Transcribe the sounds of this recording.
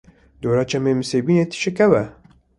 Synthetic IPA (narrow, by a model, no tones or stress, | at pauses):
d̪oːɾɑːt͡ʃʰɛmeːmɨsebiːnet̪ʰɨ̥ʃekɛwɛ